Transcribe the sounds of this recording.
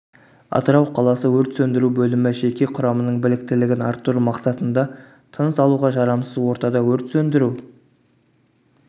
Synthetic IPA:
ɑ̰t̪əɾɑwqʰɑlˠɑsəwɵɾt̪sɵnd̪ɪɾubɵlɪmɪʒe̞kʲe̞qʰʊɾɑmənəɴbɪlɪk̚t̪ɪlɪɡʲɪnɑɾt̪ːuɾmɑqsɑt̪ənd̪ɑ | t̪ʰənəsɑlˠuʁɑʒɑɾɑmsəzwo̞ɾt̪ɑd̪ɑwɵɾt̪sɵnd̪ɪɾu

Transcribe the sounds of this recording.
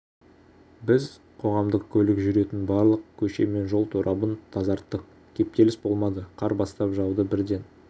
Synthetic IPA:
bɪz | qʰo̞ʁɑmd̪əqkʲʰɵlɪkʒʏɾe̞t̪ɪnbɑɾlˠəq̚kʲʰɵʃe̞me̞nʒo̞lˠt̪ʰoɾʔɑbənt̪ʰɑzɑɾt̪ːəq | kʲʰe̞p̚t̪e̞lɪsbo̞lˠmɑd̪əqʰɑɾbɑst̪ɑpʒɑwd̪əbɪɾd̪e̞n

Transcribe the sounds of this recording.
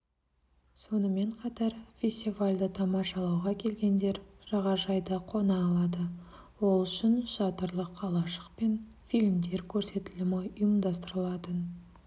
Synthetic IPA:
so̞nəme̞ɴqʰɑt̪ɑɾfʲe̞sʲt̪ʲivalʲd̪ət̪ʰɑmɑʃɑlˠɑwʁɑkʲʰe̞lɡʲe̞nd̪e̞ɾʒ̥ɑʁɑʒɑjd̪əqʰo̞nɑːlˠɑd̪əwo̞lˠʏʃɪnʃɑt̪əɾlˠəqʰːɑlˠɑʃə̥qpe̞n | filʲmd̪e̞ɾkʲʰɵɾse̞t̪ɪlɪmɑʊjəmd̪ɑst̪əɾəlˠɑt̪ən

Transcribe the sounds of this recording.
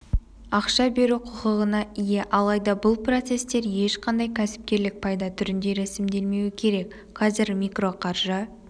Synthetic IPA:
ɑqʃɑbe̞ɾuqʰʊqəʁənɑije̞ʔɑlˠɑjd̪ɑbʊlˠpro̞t̪se̞st̪e̞ɾje̞ʃqʰɑnd̪ɑjkʲʰæsɪ̥p̚kʲe̞ɾlɪk̚pʰɑjd̪ɑt̪ʰʏɾɪnd̪e̞ɾæsɪmd̪e̞lme̞wɪkʲʰe̞ɾe̞k | qʰɑzɪɾmʲikro̞qʰɑrʒə

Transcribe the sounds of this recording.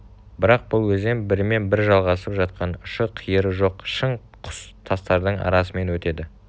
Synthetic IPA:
bɪɾɑq̚bʊlˠwɵzd̪embɪɾɪme̞nbɪɾʒɑlˠʁɑsəpʒɑt̪̚qɑnʊʃəqʰijəɾəʒo̞qʃəɴ | qʰʊ̥st̪ʰɑst̪ɑɾd̪əɴɑ̰ɾɑsəme̞nwɵt̪e̞d̪ɪ

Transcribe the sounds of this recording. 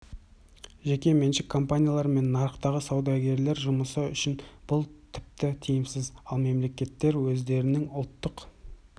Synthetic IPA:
ʒe̞kʲe̞menʃɪkʰːo̞mpanʲijalˠɑɾme̞nːɑɾəqt̪ɑʁəsɑwd̪ɑɡʲe̞ɾle̞ɾʒʊməsəʏʃɪnb̥ʊlˠt̪ʰɪ̥p̚t̪ɪt̪ʰijɪmsɪzɑlˠme̞mle̞kʲe̞t̪ːe̞ɾwɵzd̪e̞ɾɪnɪŋʊlˠt̪ːəq

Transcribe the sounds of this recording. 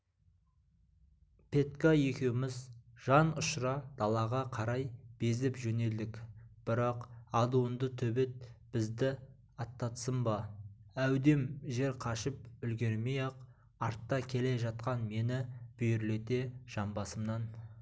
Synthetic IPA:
pʰe̞t̪kaje̞kʲe̞wɪmɪzʒ̥ɑnʊʃɾɑd̪̥ɑlˠɑʁɑqʰɑɾɑjb̥e̞zɪpʒɵne̞ld̪ɪkʲb̥ɪɾɑqɑd̪uwənd̪ət̪ʰɵbe̞t̪̚b̥ɪzd̪ɪ | ɑt̪ːɑt̪səmbɑæwd̪e̞mʒe̞ɾqʰɑʃəpʏlɡʲe̞ɾmejɑq | ɑɾt̪ːɑkʲʰe̞le̞ʒɑt̪̚qɑnme̞nɪb̥ʏjʏɾle̞t̪e̞ʒ̥ɑmbɑsəmnɑn

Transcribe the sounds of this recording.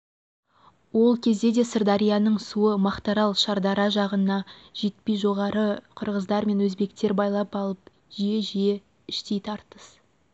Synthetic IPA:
wo̞lˠkʲʰe̞zd̪e̞d̪e̞səɾd̪ɑɾijanəɴsuəmɑqt̪ɑɾɑlˠʃɑɾd̪ɑɾɑʒɑʁənnɑʒ̥e̞t̪̚pejʒo̞ʁɑɾəqʰəɾʁəzd̪ɑɾme̞nwɵzbe̞kt̪e̞ɾbɑjlˠɑpɑlˠəp̚ | ʒijeʒije | ɪʃt̪e̞jt̪ʰɑɾt̪əs

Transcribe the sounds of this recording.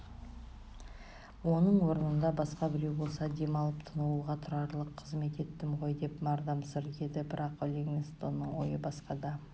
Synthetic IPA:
wo̞nəɴwo̞ɾənənd̪ɑbɑsqɑbɪɾewbo̞lˠsɑd̪e̞mɑlˠəpt̪ʰənuuʁɑt̪ʰʊɾɑɾlˠəqʰːəzme̞t̪e̞t̪ːɪmʁo̞jd̪e̞pmɑɾd̪ɑmsɪɾe̞d̪ɪbɪɾɑqolʲeɡmʲist̪onːəɴwo̞̰jəbɑsqɑd̪ɑ

